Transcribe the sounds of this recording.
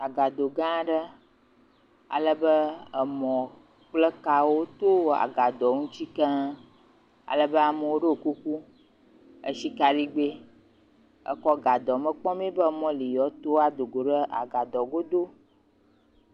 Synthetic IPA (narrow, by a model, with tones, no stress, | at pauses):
a˨ɡa˨d̪o˨ɡã˦ɖə˦ | a̰˨lə˦bə˦ə˨mɔ̃˨ | k͡plə˦ka˨wo˦t̪o˦˨a̰˨ɡa˨d̪ɔ˨ŋũ˦t͡ɕi˦kə̃˦ | a̰˨lə˨bə˦a˨mə˨wo˦ɖe˦o˨ku˦ku˦ | ə̰˦ʃi˦ka˨li˦ɡ͡be˦ | ə̰˦kɔ˦ɡa˨d̪ɔ˨mə̃˦k͡pɔ̃˦mẽ˦bə˦mɔ̃˦li˨jɔ˨˦t̪o˦a˦d̪o˨ɡo˨ɖə˦ʔa̰˨ɡa˨d̪ɔ˨ɡo˦d̪o˦